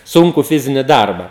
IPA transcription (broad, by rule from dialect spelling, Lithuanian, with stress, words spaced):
ˈsʊŋkʊ ˈfʲɪzʲɪnʲɪ ˈdɐrbɐ